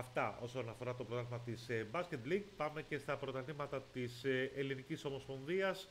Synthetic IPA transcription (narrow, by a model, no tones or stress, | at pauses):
ɐft̪ɐʔo̞so̞nɐfo̞ɾɐt̪o̞pɾot̪ɐlmɐt̪isbɐsce̞t̪liɡpɐme̞ce̞st̪ɐpɾo̞t̪ɐlimɐt̪ɐt̪iseeliniciso̞mo̞spo̞nðiɐs